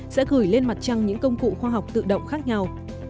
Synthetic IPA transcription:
sɛ̰˧˥ɣɨ˧˩əjle˧nma˨˩t̚t͡ɕa˧ŋɲɨ̰˧˥ŋkə˧wŋ͡mkṵ˧˨xwaː˧ɦa˨˩wk͡p̚t̪ɨ̰˧˨ɗə̰˧˨wŋ͡mxaː˦˥k̚ɲa˧w

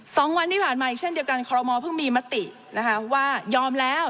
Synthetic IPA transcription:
sɔː˩˦ŋwa˧nt̪ʰiː˥pʰaː˨˩nmaː˧ʔi˨˩k̚t͡ɕʰe˥˩ndi˧ə˧wka˧nkʰɔː˧ɾɔ˧mɔː˧pʰɯ˥˩ŋmiː˧ma˦˥t̪i˨˩ | na˦˥kʰa˦˥waː˥˩jɔː˧mlɛː˦˥w

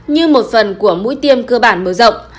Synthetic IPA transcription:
ɲɨ˧mo˨˩t̚fə˨˩nku˧˩əmṵ˧˥jt̪i˧əmkəː˧ɓaː˧˩nməː˨˩zə̰˧˨wŋ͡m

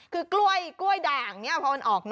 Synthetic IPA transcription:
kʰɯː˧klu˥˩əjklu˥˩əjdaː˨˩ŋni˦˥ɐpʰɔ˧˥ma˧nʔɔː˨˩k̚n

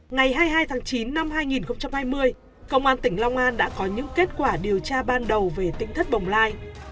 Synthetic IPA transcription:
ŋa˨˩jɦaː˧jɦaː˧jt̪ʰaː˨˦ŋt͡ɕi˨˦nːa˧mɦaː˧jŋi˨˩nxə˧wŋ͡mt͡ɕa˧mhaː˧jmɨ˧əj | kə˧wŋ͡mʔaː˧nt̪ï˧˩ŋ̟la˧wŋ͡mʔaː˧nɗa̰ː˧˥kɔ˨˦ɲɨ̰˧˥ŋke˦˥t̚kwaː˧˩ɗi˨˩əwt͡ɕaː˧ɓaː˧nɗə˨˩wve˨˩t̪ï˧˥ŋt̪ʰə˦˥t̚ɓə˨˩wŋ͡mlaː˧j

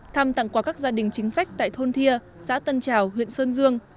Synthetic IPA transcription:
t̪ʰa˧mt̪a̰˧˨ŋkwaː˧˩kaː˦˥k̚zaː˧ɗï˨˩ŋ̟t͡ɕï˨˦ŋ̟sa˦˥jk̟̚t̪a̰ː˧˨jt̪ʰo˧nt̪ʰi˧ə | sa̰ː˧˥t̪ə˧nt͡ɕaː˨˩whwḭ˧˨ənsəː˧nzɨ˧əŋ

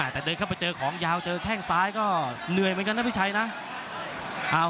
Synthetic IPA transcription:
a˧˩t̪ɛː˨˩dɤː˧kʰa˥˩wpa˧jt͡ɕɤː˧kʰɔː˩˦ŋjaː˧wt͡ɕɤː˧kʰɛː˥˩ŋsaː˦˥jkɔː˥˩nɯ˨˩əjm˧˦ka˧nʰːa˥pʰi˥˩t͡ɕʰa˧jna˦˥ʔ | ʔaː˧˩

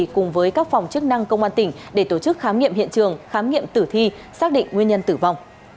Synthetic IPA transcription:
kʊ˨˩ŋ͡mvəː˨˦jkaː˦˥k̚fa˨˩wŋ͡mt͡ɕɨ˦˥ək̚na˧ŋkə˧wŋ͡mʔaː˧nt̪ï˧˩ŋ̟ɗe˧˩t̪o˧˩t͡ɕɨ˦˥k̚xaː˨˦mŋḭ˧əmɦḭ˧˨ənt͡ɕɨ˨˩əŋxaː˨˦mŋḭ˧˨əmt̪ɨ˧˩t̪ʰi˧ | saː˦˥k̚ɗḭ˧˨ŋ̟ŋwi˧ənɲə˧nt̪ɨ˧˩va˨˩wŋ͡m

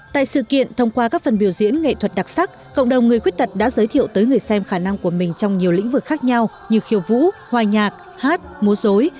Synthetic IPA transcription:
t̪a̰ː˧˨jsɨ̰˧˨kḭ˧˨ənt̪ʰə˧wŋ͡mkwaː˧kaː˦˥k̚fə˨˩nɓi˧˩əwzḭ˧˥ənŋḛ˧˨t̪ʰwə˨˩t̚ɗa˨˩k̚sa˦˥k̚kə̰˧˨wŋ͡mɗə˨˩wŋ͡mŋɨ˨˩əjkwi˦˥t̚t̪ə˨˩t̚ɗa̰ː˧˥zəː˨˦jt̪ʰḭ˧˨əwt̪əː˨˦jŋɨ˨˩əjsɛ˧mxaː˧˩na˧ŋku˧˩əmï˨˩ŋ̟t͡ɕɔ˧wŋ͡mɲi˨˩əwlḭ̈˧˥ŋ̟vɨ˨˩kxaː˦˥k̚ɲa˧w | ɲɨ˨˧˩xi˨˦əwvṵ˧˥hwaː˨˩ɲaː˨˩k̚ | haː˦˥t̚mu˨˦əzo˨˦j

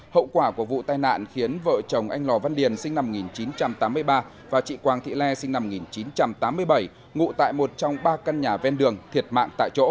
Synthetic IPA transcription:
hə̰˧˨wkwaː˧˩ku˧˩əvṵ˧˨t̪aː˧jna̰ː˧˨nxi˨˦ənvə̰ː˧˨t͡ɕə˨˩wŋ͡mʔa˧jŋlɔ˨˩va˧nɗi˨˩ənsï˧ŋ̟na˧m˨˩kŋi˨˩nt͡ɕi˨˦nt͡ɕa˧mt̪aː˨˦mː˧əjɓaː˧ | vaː˨˩t͡ɕḭ˧˨kwaː˨˩ŋt̪ʰḭ˧˨lɛ˧si˧ŋ̟na˧m˨˩ŋi˨˩nt͡ɕi˨˦nt͡ɕa˧mt̪aː˨˦mːɨ˧əjɓə˧˩j | ŋṵ˧˨t̪a̰ː˧˨jmo˨˩t̚t͡ɕɔ˧wŋ͡mɓaː˧ka˧nɲaː˨˩vɛ˧nɗɨ˨˩əŋt̪ʰi˨˩ət̚ma̰ː˧˨ŋt̪a̰ː˧˨jt͡ɕo̰˧˥

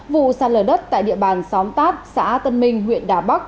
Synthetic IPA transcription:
vṵ˧˨saː˧˩ləː˧˩ɗə˦˥t̚t̪a̰ː˧˨jɗḭ˧˨əɓaː˧˩nsɔ˨˦wmt̪aː˦˥p̚sa̰ː˧˥t̪ə˧nmï˧ŋ̟hwḭ˧˨ənɗaː˨˩ɓa˦˥k̚

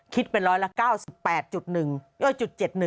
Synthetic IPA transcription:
kʰi˦˥t̪̚pe˧nɾɔː˦˥jla˦˥kaː˥˩wsi˨˩pːɛː˨˩t̪̚t͡ɕu˨˩t̪̚nɯ˨˩ŋjoː˥˩jt͡ɕu˨˩t̪̚t͡ɕe˨˩t̪̚nɯ˨˩ŋ

